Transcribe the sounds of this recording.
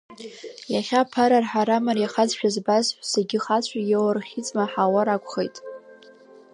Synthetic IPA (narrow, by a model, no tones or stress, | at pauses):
jaχʲapʰaɾarħaɾamarjaχad͡zʃᶣazbazħʷᶣseɡʲɪχat͡ɕʷʰajewarχʲit͡sʼmaħawaɾakʷʰʼχejtʼ